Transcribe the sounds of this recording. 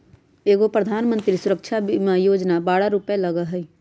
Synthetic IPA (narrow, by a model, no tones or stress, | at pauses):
eːɡopɾəd̪ʱaːnmə̃nt̪ɾisʊɾəkʃʰabimajoːd͡ʒnabaːɽaɾupeləɡəɦɛi